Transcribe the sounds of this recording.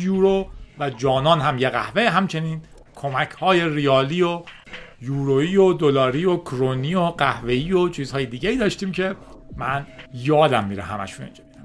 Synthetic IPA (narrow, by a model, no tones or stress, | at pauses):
juːɾovæd͡ʒɒːnɒːnɦæmjeɣæ̰hveɦæmt͡ʃʰe̞niːn | kʰo̞mæcʰhɒːje̞rijɒːliːo | juːɾoiːod̪olɒːɾiːokʰɾoniːoɢæhve̞iːot͡ʃʰiːzhɒːjed̪iːɟeiːd̪ɒːʃt̪iːmcʰe̞mænjɒːd̪æmːiːɾḛɦæ̰mæ̰ʃunḭnd͡ʒɒːmid̪æm